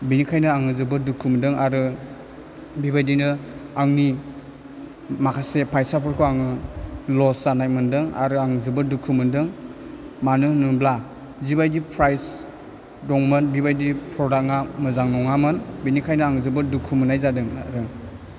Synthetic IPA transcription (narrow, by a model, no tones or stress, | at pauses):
binikʰajnɯaŋɯzɯbɯdukʰɯmdɯŋaɾɯ | bibajdinɯaŋni | makʰasepʰajsapʰɯɾkʰɯaŋɯlɔszanajmɯndɯŋa̰ɾɯaŋzɯbɯdukʰumɯndɯŋ | manɯnɯbla | zibajdipʰɾajs | dɔŋmɯnbibajdipʰɾɔɾak̚ŋamɯzaŋnɔŋamɯnbinikʰajnɯaŋzɯbɯdukʰumɯnajzadɯŋɾɯŋ